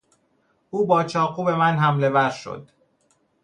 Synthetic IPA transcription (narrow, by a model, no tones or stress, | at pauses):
ʔuːbɒːt͡ʃʰɒːquːbe̞mænɦæmle̞væɾʃo̰d̪̥